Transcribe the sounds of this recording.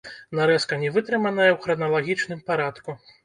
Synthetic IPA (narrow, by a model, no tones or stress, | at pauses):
naɾɛskɐnʲɛvɨt̪ɾɨmɐnɐjɛwxɾɐnɐlˠaɣʲit͡ʂnɨmpaɾat̪ku